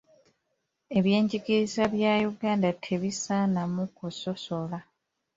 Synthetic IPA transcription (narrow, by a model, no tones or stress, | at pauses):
e̞βje̞ːɲɟikiɾizaβjajuɡaːndatʰe̞βisanamukuso̞so̞la